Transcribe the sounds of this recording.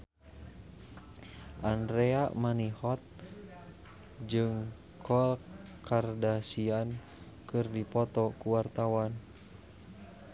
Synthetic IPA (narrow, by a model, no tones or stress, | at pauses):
ʔandɾɛamanihɔt̪̚ | d͡ʒɨŋ | kʰɔlkʰardasian | kɨrdipɔt̪ɔkuwart̪awan